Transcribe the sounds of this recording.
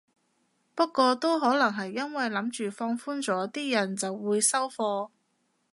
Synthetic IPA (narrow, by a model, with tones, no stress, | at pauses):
pɐ˥tkːʷɔː˧t̪o˥wɦɔː˨˥lɐ˨˩ŋɦɐ˨jːɐ˥nwɐ˨jlɐ˨˥mt͡ʃyː˨fɔː˧ŋfuː˥nt͡sɔː˨˥t̪iː˥jɐ˨˩nt͡sɐ˨wːuː˨˧jsɐ˥wfɔː˧